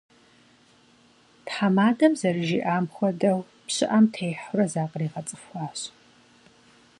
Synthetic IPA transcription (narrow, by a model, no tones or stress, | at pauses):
tħamaːdɐmzɐrɨʒiːʔaːmxʷɔdɐw | pɕɪʔɐmtʰejħʊɾɐzaːqʼriːʁɐt͡sʼɨ̥fxʷɑːɕ